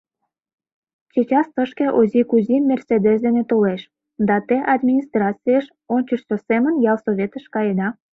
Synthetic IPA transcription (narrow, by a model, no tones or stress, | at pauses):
t͡ɕit͡ɕɑst̪əʃkeʔozikuzimːersʲed̪es̬d̪enet̪oleʃ | d̪ɑt̪eʔɑd̪mʲinʲist̪rɑt͡sijəʃ | onʲt͡ɕəʃsʲosemənjɑlˠsoβʲet̪əʃkɑjed̪ɑ